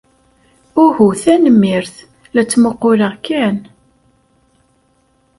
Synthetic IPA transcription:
ʊhuθænəmːɪɾθ | læt͡sːməqːʊɾəʁkːæn

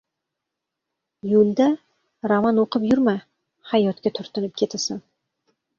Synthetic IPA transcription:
julʲd̪a | ɾamanoqɨpjʊɾma | hajɒt̪kʲat̪ʰʊɾt̪ʰɪnɪp̚kʲʰe̞t̪ʰɪsɪn

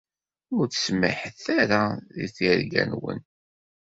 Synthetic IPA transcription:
ʊɾθsmə̰ħəθaɾaðiθiɾɡæ̰nwə̰n

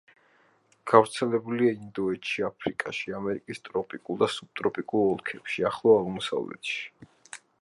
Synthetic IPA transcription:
ɡ̥avɾt̪sʰɛlɛbuliaind̪ɔɛtʃiapʰɾikʼa̰ʃiamɛɾikʼist̪ʼɾɔpʼikʼulˠd̪asub̥̚t̪ʼɾɔpʼikʼulˠɔlˠkʰɛpʃiaχlˠɔaʁmɔsa̰vlɛ̰t̪ʃi̥

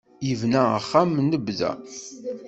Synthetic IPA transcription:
jivnæə̰χːamnəbðæ̰

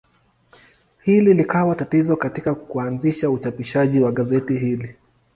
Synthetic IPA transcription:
hililikawatatizɔkatikakuanziʃaut͡ʃapiʃaʄiwaɠazɛtihili

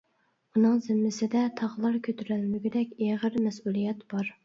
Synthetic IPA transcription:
unɨŋzɪmːɪsɪd̪ɛt̪ʰɑʁlˠɑɾkʲʰøt̪ʰyɾælmɪɡʲid̪ɛkʲeʁəɾmɛsulˠijɛt̪b̥ɑɾ

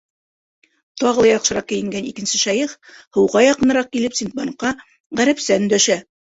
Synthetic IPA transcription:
t̪ɑʁɤlˠɑjɑqʃɤ̆ɾɑq̚kɘ̆jɘ̆ŋɡænikɘ̆nsɘʃɑjɤχhɤ̆wʁɑjɑqɤ̆nɤ̆ɾɑq̚kilɘpsint̪̚bɑnqːɑ | ʁæɾæpsænd̪æʃæ

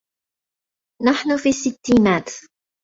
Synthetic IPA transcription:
naħnʊfisit̪ːinat̪

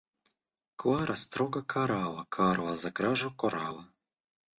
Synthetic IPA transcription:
kvaɾast̪ɾoɡakʰaɾalˠakʰaɾazakɾaʒokoɾala

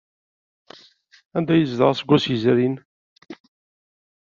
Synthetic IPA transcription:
ænd̪æjəzd̪əʁsəɡʷːæsəzɾin

